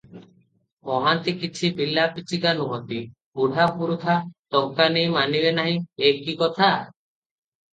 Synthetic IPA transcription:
ɔɦant̪ikit͡ʃʰibilapit͡ʃiɡanuɦɔt̪i | puɽ̤apuɾut̪ʰat̪ɔkanejmanibenaɦĩeɦkikɔt̪ʰa

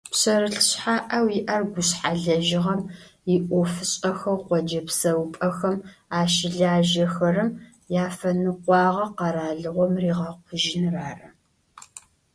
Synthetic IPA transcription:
pɕɐɾɨɬɕħaːʔɐwjɪʔɐrɡʷʊɕħaɮɐʒɪʁɐmjɪʔʷʼɔfɨɕʼɐxɐqʷɔd͡ʒɐpsɐwpʼɐxɐmaːʃɪɮaːʒɐxɐrɨm | jaːfɐnɨqʷɑːʁɐqɑɾaːɮɨʁʷɔmriːʁɐqʷʰʊʒɪnraːrɐ

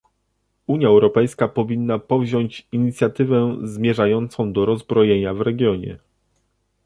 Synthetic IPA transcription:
uɲjaɛwɾɔpɛjskapɔvʲinːapɔvʑɔɲt͡ɕiɲit̪sʲjat̪ɘvɛzmʲjɛʐajɔnt̪sɔ̃w̃d̪ɔɾɔzbɾɔjeɲavɾɛɡʲjɔɲɛ̰

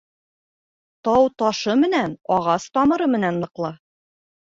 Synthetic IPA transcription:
t̪ɑwt̪ɒʃɤmɘ̆nænɒʁɑst̪ɒmɤ̆ɾɤmɘ̆nænːɤ̆qlˠɤ

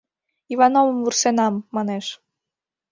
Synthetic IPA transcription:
ivɑnovə̆mvursenɑmːɑneʃ

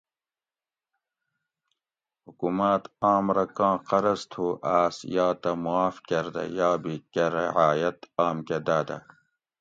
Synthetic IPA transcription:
hukumat̪aːmɾɐkãːqɐɾɐst̪ʰuʔaːsjaːt̪ɐmuaːfkɐɾd̪ɐ̰jaːbikeɾḛʕaːjɐt̪aːmked̪aːd̪ɐ̰

